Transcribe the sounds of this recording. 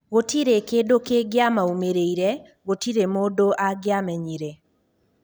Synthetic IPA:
ɣotiɾekeːdokeɡeamaumeɾeiɾɛ | ɣotiɾemodoʔaɡeamɛɲiɾɛ

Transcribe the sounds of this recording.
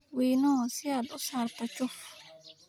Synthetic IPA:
wiːnoːsɪjad̪ʊsaːɾt̪ɐt͡ʃːʊ

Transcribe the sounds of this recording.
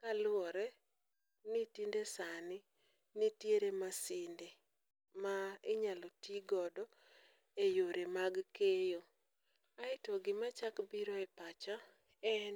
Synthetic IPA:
kalʊɔɾɛ | nitindesanɪ | nitjeɾemasɪnde | maɪɲalɔtiɡɔdɔ | ejoɾemaɡkejo | aɪtɔɡɪmat͡ʃakbiɾɔɛpat͡ʃa | ɛn

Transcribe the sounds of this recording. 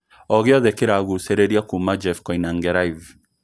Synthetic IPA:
ɔɣeɔðɛkeɾaɣusɛɾɛɾiakumad͡ʒɛfkɔinaŋɡɛɾaiv

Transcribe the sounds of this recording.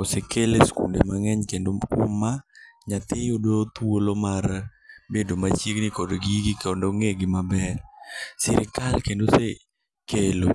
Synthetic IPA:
osekeleskṵndemaŋɛɲkendoʊ̰maɲat̪ɪodot̪wolomaɾ | bedomat͡ʃjeknɪkodɡiɡikɔndoŋeɡɪmabɛrsɪɾɪkalkendose | kelo

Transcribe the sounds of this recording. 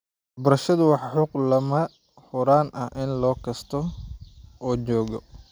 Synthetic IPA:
wɑħbɐɾɐʃɐðʊwɑħħʊqlɐmɐ | ħʊɾaːnʔɐhʔɪnlɔːkʰɐst̪ʰɔ | ɔːt͡ʃɔːɣɔ

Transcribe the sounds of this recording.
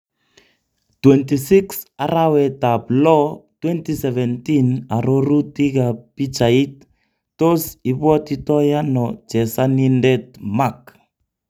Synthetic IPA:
twɛntisiksaɾawɛtablɔtwɛntisɛvɛntinaɾoɾutikapit͡ʃaitː | osiβwɔtitɔjanɔt͡ʃɛsanindɛtmak

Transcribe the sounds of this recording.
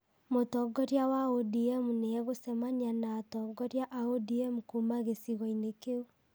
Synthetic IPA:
motɔɡɔɾjawaodiɛmuneɛɣosɛmaɲianaːtɔɡɔɾjaʔaodiɛmukumaɣesiɣɔinekeo

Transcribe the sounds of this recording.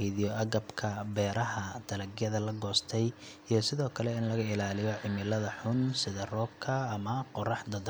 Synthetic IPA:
iðijɔʔɐɣɐbkʰɐbɛːɾɐɦɐd̪̥ɐlɐɡjɐðɐlɐɡɔːst̪ʰɛj | ijɞsɪðɔːkʰɐlɛɪnlɐɣɐɪlaːlɪjɔʕɪmɪlɐðɐħʊnsɪðɐrɔːb̚kʰɐːmɐqɔrɑħd̪ɐd̪

